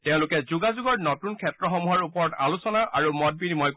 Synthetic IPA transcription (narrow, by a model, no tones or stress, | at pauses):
tɛʊ̃lʊkɛzuɡazuɡɔɹnotunkʰɛtɹɔxɔmuɦaɹupɔɹɔta̰lusɔnaʔaɹumɔt̚binimɔjk